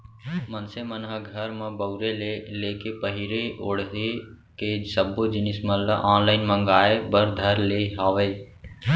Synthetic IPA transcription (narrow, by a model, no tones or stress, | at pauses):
mənsemənɦəɡʱəɾmãbəʊɾeleleːkepəɦɪɾeʔoːɽɦe | kesəbod͡ʒɪnɪsmə̃ləʔaːnlaːɪnmə̃ŋɡaːebəɾd̪ʱəɾleːɦaːʋeː